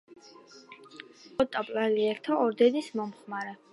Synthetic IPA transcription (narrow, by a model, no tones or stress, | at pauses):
ɔt̪ʼapʼlaliɛɾt̪ʰaʔɔɾd̪ɛnismɔmχmaɾɛ